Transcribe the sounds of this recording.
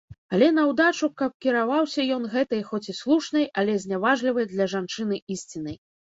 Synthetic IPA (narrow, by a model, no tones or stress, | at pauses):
ɐlʲɛnɐwd̪at͡ʂukɐp̚kʲiɾavawsʲɐjɔnɣɛt̪ɐjxɔt͡sʲislˠuʂnɐjɐlʲɛzʲnʲavaʐlʲivɐjd̪lʲɐʐant͡ʂɨn̪ɨʔisʲt͡sʲinɐj